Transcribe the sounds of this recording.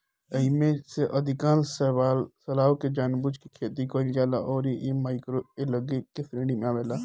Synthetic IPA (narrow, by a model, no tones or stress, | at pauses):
ɐɪmẽseʔɐd̪ʱɪkaːnsəalsəlaːwked͡ʒaːnbʊd͡ʒkikʰeːt̪ikoːld͡ʒaːlaʔɔːɾiʔemaːɪkɾoeləɡekefɾẽːɖimẽaːʋeːlaː